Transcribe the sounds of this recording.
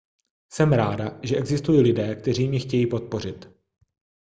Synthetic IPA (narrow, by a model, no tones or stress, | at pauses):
sɛmɾaːdaʒɛʔɛɡzɪst̪ujiːlɪdɛːk̚t̪ɛriːmɲɪxcɛjiːpo̞t̪̚po̞r̝ɪt̪